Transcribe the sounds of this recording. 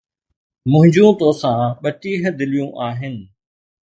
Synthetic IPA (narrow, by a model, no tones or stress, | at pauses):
mʊ̃ɦɪ̃ɲd͡ʑũt̪oːsãɓɐʈiːɦə̆d̪ɪlijũːʔaːɦɪnɪ̆